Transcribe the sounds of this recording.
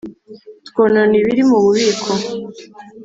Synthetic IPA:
twonaniβiɾimuβuβiːkʰo

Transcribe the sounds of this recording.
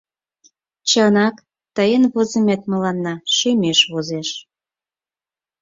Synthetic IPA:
t͡ɕənɑk | t̪əjenβozə̆met̪̚mə̆lɑnːɑʃømeʃβozeʃ

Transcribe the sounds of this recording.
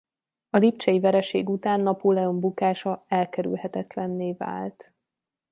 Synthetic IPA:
ɒlipt͡ʃɛjivɛɾɛʃeːɡut̪aːnːɒpolɛo̞mbukaːʃɒɛlkɛɾy̰lhɛt̪ɛt̪lɛnːeːva̰ːlt̪

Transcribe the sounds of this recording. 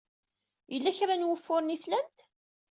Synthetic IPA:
jəlːæçɾanwəfːʊɾniθlænt̪

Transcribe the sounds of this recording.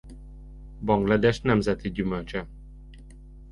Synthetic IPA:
bɒŋɡlɒd̪ɛʃnɛmzɛt̪iɟymølt͡ʃɛ

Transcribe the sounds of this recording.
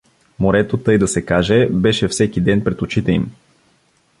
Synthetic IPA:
moɾɛt̪ot̪ɤjd̪ɐsɛkaʒɛbɛʃɛfsɛkid̪ɛnpɾɛt̪ʊt͡ʃit̪ɛḭm

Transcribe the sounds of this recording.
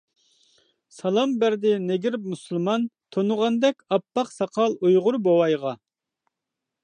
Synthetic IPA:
sɑlˠɑmbæɾd̪ɪneɡʲiɾpmusulˠmɑnt̪ʰonʊʁɑnd̪ɛkʲɑpːɑqsɑqʰɑlˠujʁʊɾbowɑjʁɑ

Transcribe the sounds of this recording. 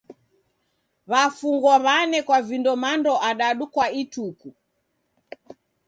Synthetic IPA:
βafuŋɡwɔβanɛkwavindɔmandɔʔaɗaɗukwaituku

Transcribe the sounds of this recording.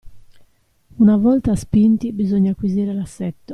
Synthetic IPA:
unavɔlt̪aspint̪ibizoɲːakwiziːɾelasːɛt̪ːo

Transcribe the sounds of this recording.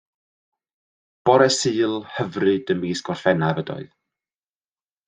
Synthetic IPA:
b̥ɔɾɛsɨːlˠhəvrɨdəmiːsɡ̥ɔrfɛnavədɔ̰ɨð

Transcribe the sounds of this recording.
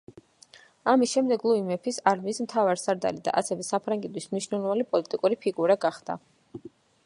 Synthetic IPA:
amisʃɛmd̪ɛɡlˠuimɛpʰisaɾmiːsmt̪ʰavaɾsaɾd̪a̰lid̪a̰ʔasɛvɛsapʰɾaŋɡɛd̪wismniʃnɛlˠɔvanipʼɔlit̪ʼikʼuɾipʰiɡuɾaɡaχd̪a̰

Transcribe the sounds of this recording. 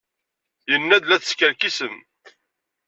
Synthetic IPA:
jənːæd̪læθə̥skəɾkisən

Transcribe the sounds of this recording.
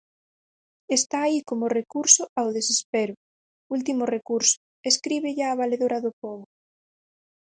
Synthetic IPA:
est̪aːikomʊrekuɾsʊawðesespeɾʊ | ult̪̬imʊrekuɾsʊ̥ | eskɾiβeʎaːβaleðoɾaðʊpɔβʊ

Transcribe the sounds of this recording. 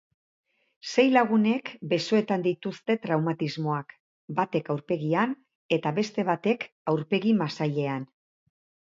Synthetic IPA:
se̞jlaɣ̞une̞kbe̞so̞e̞t̪and̪it̪ust̪e̞t̪ɾawmat̪izmo̞ak | bat̪e̞kawɾpe̞ɣian | e̞t̪aβe̞st̪e̞βat̪e̞k | awɾpe̞ɣimasaʎe̞an

